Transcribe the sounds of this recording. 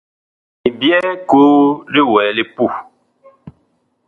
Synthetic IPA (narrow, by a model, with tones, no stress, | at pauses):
i˨bjɛ˦koː˦le˦wɛː˨le˦pu˦˨